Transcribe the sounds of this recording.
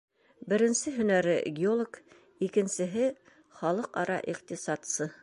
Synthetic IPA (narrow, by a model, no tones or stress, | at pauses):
bɘ̆ɾɘ̆nsɘɦɵ̆næɾɘɡʲɪolˠok | ikɘ̆nsɘ̆ɦɘ | χɑlˠɤqɑɾɑ̰ʔiqt̪isɑt̪sɤ